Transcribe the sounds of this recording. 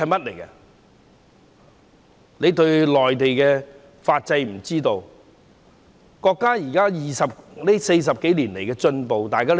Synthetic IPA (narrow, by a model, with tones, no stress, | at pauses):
ɐ˨jmɐ˥t̚le˨˩jkɐ˧ | ne˨˧jt̪ɵ˧ɥlɔː˨jt̪e˨jkɛː˧ | faː˧t̚t͡sɐ˧jm̩˨˩t͡siː˥t̪o˧w | kɔː˧kːaː˥jiː˨˩kaː˥jiː˨sɐ˨p̚ne˥se˧js̬ɐ˨p̚ke˨˥jliː˨˩nle˨˩jkɛː˧t͡ʃɵ˧npo˨wt̪aː˨˧jkaː˥